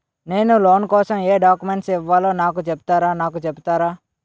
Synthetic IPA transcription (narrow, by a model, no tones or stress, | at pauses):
neːnuloːnkɔːsɐmeːɖaːkumeɳʈsiʋːaːloːnaːkut͡ʃɛp̚t̪aːɾaːnaːkut͡ʃɛbut̪aːɾaː